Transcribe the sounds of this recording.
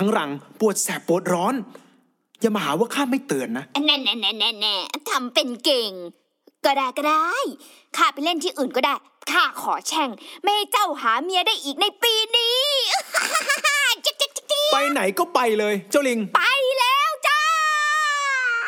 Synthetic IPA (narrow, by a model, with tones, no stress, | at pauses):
t̪ʰa˦˥ŋɾa˨˩ŋpu˨˩ət̪̚sɛː˨˩pːu˨˩ət̪̚ɾɔː˦˥n | jaː˧˩maː˧haː˨˩˦waː˥˩kʰaː˥˩ma˥˩jt̪ɯ˨˩ənːa˦˥ʔa˧nɛ˧˩nɛ˧˩nɛ˧nɛ˧˩nɛ˧˩t̪ʰa˧mpe˧nke˨˩ŋ | kɔː˧˩daː˧˩jka˧˩daː˥˩j | kʰaː˥˩pe˧le˥˩nt̪ʰiː˥˩ʔɯː˨˩nkɔ˥˩daː˥˩j | kʰaː˥˩kʰɔː˩˦t͡ɕʰɛ˥˩ŋma˥˩ha˥˩jt͡ɕa˥˩whaː˩˦mi˧ɐdaː˥˩jʔiː˨˩k̚na˧jpiː˧niː˧˥˧ | a˧t͡ɕe˧˥t͡ɕi˧˥i˧˥i˧˥pa˧jna˩˦jkɔː˥˩pa˧jlɤː˧jt͡ɕa˥˩wli˧ŋpa˧jlɛː˦˥wt͡ɕa˧˥